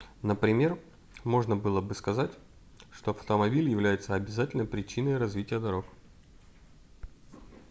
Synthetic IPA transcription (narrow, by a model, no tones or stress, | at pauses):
nəpɾʲɪmʲe̞r | mo̞ʐnəbɨlˠəbɨskɐzatʲ | ʂt̪oɐft̪əmɐbʲilʲjɪvlʲæjɪt̪səɐbʲɪzatʲɪlʲnəjpɾʲɪt͡ɕinəjɾɐzvʲitʲɪjəd̪ɐɾo̞k